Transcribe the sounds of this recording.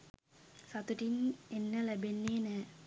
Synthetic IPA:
sat̪uʈinenːəlæbenːeːnɛː

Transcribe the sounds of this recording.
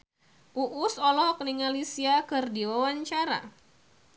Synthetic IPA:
ʔuʔusɔlɔhɔkniŋalisiakɨrdiwawaɲt͡ʃaɾa̰

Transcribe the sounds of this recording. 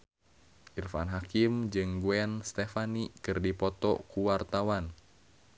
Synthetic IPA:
ʔirfanɦakimd͡ʒɨŋɡuɛnst̪ɛfanikɨrdipɔt̪ɔ̰kuwart̪awan

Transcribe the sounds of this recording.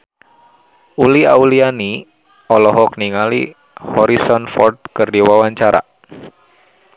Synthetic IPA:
uliauliani | ɔlɔɦɔkniŋalḭ | hɔɾisɔnfɔ̰rt̪̚kɨrdiwawaɲt͡ʃaɾa̰

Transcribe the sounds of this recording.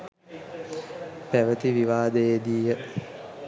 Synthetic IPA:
pɛʋət̪iʋiʋaːd̪eːd̪iːə

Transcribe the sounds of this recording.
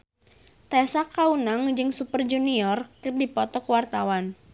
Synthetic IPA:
t̪ɛsakaunaŋd͡ʒɨŋsupərd͡ʒuniɔrkərdipɔt̪ɔkəwart̪awan

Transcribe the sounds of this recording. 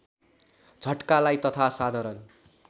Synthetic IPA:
d͡zʱʌʈkalajt̪ʌt̪ʰasad̪ʱaɾʌn

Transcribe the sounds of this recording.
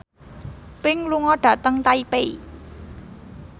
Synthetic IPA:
pɪŋluŋɔɖ̥ä̤t̪əŋt̪aipei

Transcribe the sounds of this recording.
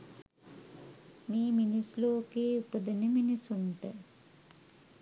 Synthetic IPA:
miːminisloːkeːupəd̪əneminisuɳʈə

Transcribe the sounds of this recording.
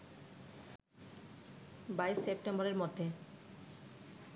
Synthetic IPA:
bajssepʈembɔɾeɾmod̪ʱːe

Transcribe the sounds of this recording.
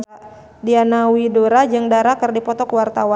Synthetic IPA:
dianawidoɾad͡ʒɨŋdaɾakərdipɔt̪ɔkwart̪awa

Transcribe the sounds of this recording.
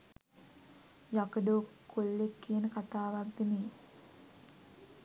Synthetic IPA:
jakəɖoːkːulːekːijənəkat̪aːʋaɡd̪ene

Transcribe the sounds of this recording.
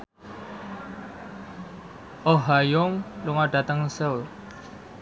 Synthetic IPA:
ʔɔɦajɔŋluŋaɖ̥a̤t̪əŋsəw

